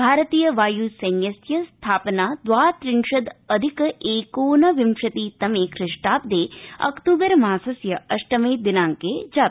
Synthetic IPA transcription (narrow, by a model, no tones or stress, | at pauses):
bʱaːɾɐt̪iːjɐʋaːjuːsɐnjɐsjɐst̪ʰaːpnaːd̪ʋaːt̪ɾɪnʃɐd̪ɐd̪ʱikeːkoːnɐʋimʃɐt̪iːt̪ɐmeːkʰɾɪʂʈaːp̚d̪eːɐ̰kt̪uːbɐɾmaːsɐsjɐɐʂʈɐmeːd̪inaːŋkeːd͡ʒaːt̪